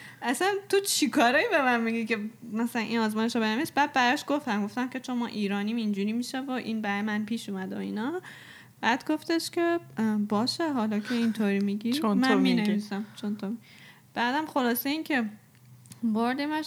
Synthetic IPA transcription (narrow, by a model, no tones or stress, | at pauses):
ʔæsænt̪ʰot͡ʃʰikʰɒːɾɒːibemænmiɟikemæsælænʔinɒːzmɒːjeʃobenevisbæːd̪̚bæɾɒːʃɡ̥o̞ft̪æmɡo̞ft̪æmcʰʲe̞t͡ʃʰonmɒːʔiːɾɒːnimind͡ʒuːɾiːmiʃævoʔiːnbæɾjmænpʰiːʃumæd̪eoḭːnɒ | b̥æd̪̥ɡo̞ft̪eʃcʰʲe̞bɒːʃeɦɒlɒkʰeint̪ʰoɾimiɡiːnmæmineviːsæmt͡ʃʰont̪ʰomi | b̥æːd̪æmxo̞lɒːseiːncʰe̞ | boɾd̪emæʃ